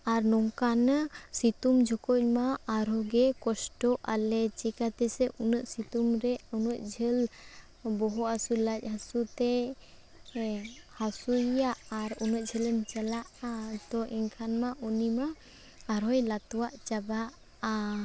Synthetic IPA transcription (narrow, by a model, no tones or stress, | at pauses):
aɾnɔŋkansit̪umd͡ʒʱɔkɔc̚maːɾɔɡɛkɔsʈɔʔalɛt͡ʃikat̪ɛsɛʔunəʔsit̪umɾɛunəʔ̪̚ˀd͡ʒʱəl | bɔɦɔʔasulac̚ˀhasut̪ɛ | hasuaʔaɾunət̪̚d͡ʒʱələnt͡ʃəlaʔat̪ɔʔɛŋkʰanmaʔɔnimaː | ɾɦɔjlat̪waʔt͡ʃabaʔ | a